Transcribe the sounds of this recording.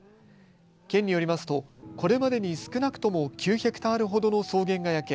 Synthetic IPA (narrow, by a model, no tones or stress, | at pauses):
kẽ̞ɲ̟ːijo̞ɾʲimasɨ̥t̪o̞ko̞ɾe̞mad̪e̞ɲ̟isɨ̥kɯ̟nakɯ̟̥t̪o̞mo̞kʲɨːçakɯ̟̥t̪aːɾɯ̟ɦo̞d̪o̞no̞so̞ːɡẽ̞ŋɡajake